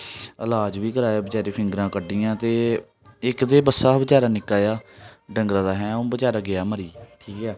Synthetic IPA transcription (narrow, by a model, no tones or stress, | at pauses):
əlaːd͡ʒʋiːkəɾaːjaːbət͡ʃaːɾeːpʰɪ̃ŋɡɾãːkəɖiːãːt̪eː | ɪkd̪eːbəsːaːbət͡ʃaːɾaːnɪkːaːjaːɖəŋɡɾãːd̪aːɦɛ̃ːoːbət͡ʃaːɾaːɡɪaːməɾiːʈʰiːkɛː